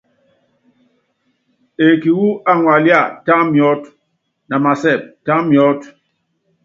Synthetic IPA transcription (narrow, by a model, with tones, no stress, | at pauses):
e˨ki˨wu˦a˦ŋwa˨lja˦˨ta˦mjɔ˦t | na˨ma˨sɛ˦˨p̚ta˦mjɔ˨˦t